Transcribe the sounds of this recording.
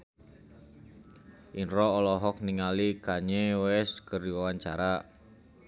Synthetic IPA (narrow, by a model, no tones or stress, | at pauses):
ʔinɾɔːlɔɦɔk̚niŋalikaɲewɛskəɾiwawaɲt͡ʃaɾa